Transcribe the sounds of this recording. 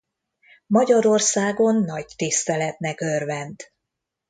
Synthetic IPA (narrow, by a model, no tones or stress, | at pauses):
mɒɟɒɾo̞rsaːɡo̞nːɒɟt̪ist̪ɛlɛt̪nɛkørvɛnt̪